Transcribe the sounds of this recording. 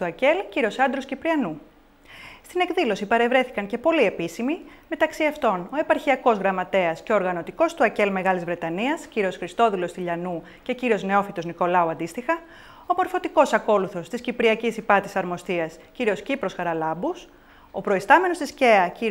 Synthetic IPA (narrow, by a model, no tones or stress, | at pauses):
t̪uɐce̞lciɾio̞sɐnd̪ɾo̞scipɾiɐnu | st̪ine̞kðilo̞sipɐɾe̞vɾe̞θi̥kɐŋce̞po̞lie̞pisimime̞t̪ɐksiɐft̪o̞no̞e̞pɐɾçiɐko̞zɣɾɐmɐt̪e̞ɐsceoɾɣɐno̞t̪iko̞st̪uɐce̞lme̞ɣɐlizvɾe̞t̪ɐniɐsciɾio̞sxɾist̪o̞ðilo̞st̪iʎɐnu | ce̞ciɾio̞zne̞o̞fit̪o̞zniko̞lɐuɐnd̪ist̪ixɐ | omo̞ɾfo̞t̪iko̞sɐko̞luθo̞st̪iscipɾiɐcisipɐt̪isɐɾmo̞st̪iɐsciɾio̞scipɾo̞sxɐɾɐlɐbus | o̞pɾo̞ist̪ɐme̞no̞st̪isce̞ɐci